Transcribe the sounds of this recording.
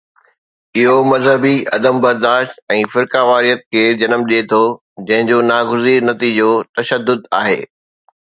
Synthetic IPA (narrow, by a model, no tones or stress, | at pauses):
ɪɦomɐzɦəbiɐ̰d̪əmbɐɾd̪aːʃt̪ɛ̃ːfɪɾkaʋaːɾijət̪̚kʰeːd͡ʑɐnəmɗiet̪ʰo | d͡ʑɐ̃ɦɪ̃ɲd͡ʑoːnaːɡʊziːɾnɐt̪id͡ʑot̪ɐʃəd̪ːʊd̪aːɦḛː